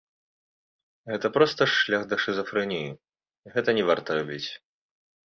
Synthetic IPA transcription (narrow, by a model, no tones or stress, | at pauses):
ɣɛt̪ɐpɾɔst̪ɐʂlʲaxd̪ɐʂɨzɐfɾɨnʲiji | iɣɛt̪ɐnʲɛvart̪ɐɾabʲit͡sʲ